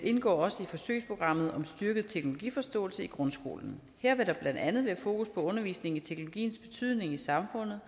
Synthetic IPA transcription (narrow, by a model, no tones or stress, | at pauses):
ʔe̝nɡ̥ɒ̰ːɒ̽səifɒ̽sø̰ɪspʰʁo̝ɡ̥ʁɑ̈m̰ð̞̩ˠɒ̽msd̥yɐɡ̥ð̞̩ˠt͡sʰeɡ̥nolo̝ɡ̥ḭːfɒ̽sd̥ɔ̰̽ːl̩səiɡ̥ʁɔ̽nsɡ̥o̝̰ːln̩ | heɐ̰ʋe̝ɾɑ̈b̥lænd̥ænð̞̩ˠʋæɐfo̝ːkʰuspʰɒ̽ɔ̽nɐʋḭːsne̝ŋit͡sʰe̝ɡ̥nolo̝ɡ̥ḭːnsb̥e̝t͡sʰyð̞̰ˠne̝ŋisɑ̈mfɔ̽n̰ð̩ˠ